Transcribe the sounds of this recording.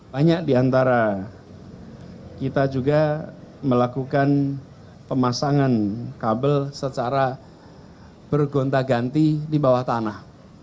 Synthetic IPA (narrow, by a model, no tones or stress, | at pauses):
baɲak̚diant̪aɾa | kit̪ad͡ʒuɡaməlakukan | pəmasaŋankabəlsət͡ʃaɾa | b̥ərɡont̪aɡant̪idibawaht̪anah